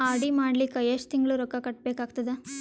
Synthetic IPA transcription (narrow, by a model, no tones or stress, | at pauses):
aːɽimaːɽlikɐjeʂt̪iŋɡɐɭuɾɔkːɐkɐʈ̚beːkaːɡ̚t̪ɐd̪e